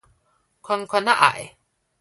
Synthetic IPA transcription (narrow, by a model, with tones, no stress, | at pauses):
kʰɔ˧nkʰɔ˧na˦ʔa̰˨˩j